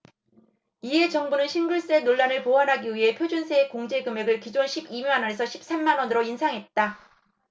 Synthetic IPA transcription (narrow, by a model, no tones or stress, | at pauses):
iɦe̞t͡ɕʌŋbunɯnɕʰinɡuɭs͈enoɭːanɯɭpoanɦaɡiɥiɦe̞pʰjod͡ʑunsʰeekoŋd͡ʑe̞ɡɯme̞ɡɯɭkid͡ʑonɕʰibimanʌnesʰʌɕʰi̥p̚s͈emːanwʌnɯɾoinsʰaŋɦe̞t̚t͈a